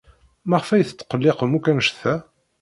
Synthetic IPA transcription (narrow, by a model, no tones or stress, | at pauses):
mæʁəfæjθə̥t͡sːqəlːeqmukænʃθæ